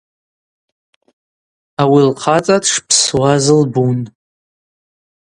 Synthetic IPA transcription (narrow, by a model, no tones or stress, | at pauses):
awilqʰat͡sʼatʰʂpʰswazɨlbun